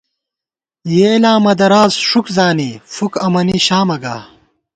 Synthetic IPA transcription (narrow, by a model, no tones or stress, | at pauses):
jeːlaːmɐd̪ɐɾaːzʂukzaːnifukɐmɐniɕaːmɐɡa̰ː